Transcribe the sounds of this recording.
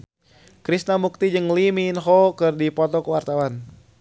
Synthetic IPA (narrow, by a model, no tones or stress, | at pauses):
kɾisnamuk̚t̪id͡ʒɨŋliminɦɔkɨrdipɔt̪ɔkəwart̪awan